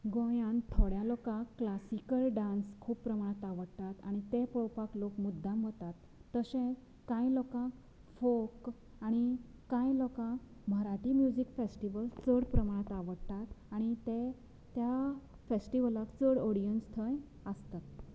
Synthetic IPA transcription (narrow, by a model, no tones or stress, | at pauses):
ɡojãnt̪ʰoɽjalɔkãkːlasikəlɖãnskʰuːppːɾəmaɽ̃at̪aʋəɽt̪at̪aɽ̃it̪epɔwpaklokmud̪ːãmʋət̪at̪ː | əɕẽ | kãjlɔkãk | fok | aɽ̃ikãjlɔkã | məɾaʈimjud͡ʑikfesʈiʋəlt͡səɽpɾəmaɽ̃ãt̪aʋəɽt̪at̪aɽ̃it̪e | t̪ja | fesʈiʋəlakt͡səɽɔɽijənst̪ʰəj | əst̪at̪̚